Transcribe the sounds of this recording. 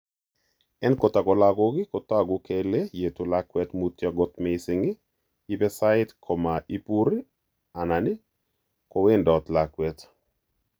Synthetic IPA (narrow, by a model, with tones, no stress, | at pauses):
ɛ˦nko˨ta˨ɡɔ˦laɡɔ˦ɡɪ˦ko˨ta˦ɡʊkele˦je˨to˨lakwɛtmut̪jaɡɔ˦t̪mɛɪsɪ˨ŋɪ˦ | ɪ˦bɛsa˦ɪtkʰɔ˨ma˨i˦pu˦ɾi˦ | a˨na˨nɪ˦ | ko˨wɪ˦ndɔ˨t̪lakwɛt